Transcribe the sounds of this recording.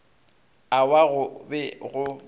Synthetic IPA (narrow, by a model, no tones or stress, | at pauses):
awaɣʊbɛɣʊ